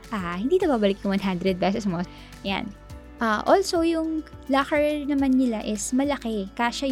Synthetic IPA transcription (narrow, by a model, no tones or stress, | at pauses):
ʔaːhɪnd̪iːt̪ɐbaːbɐlɪkjʊ̃ŋwɐnɦand̪ɾɛd̪̚pɛsɛsmo | ɐja̰n | ʔaʔoːlsowjʊŋlɐkɛɹnɐmanːɪlaʔɪsmɐlɐkɛkaːʃɐ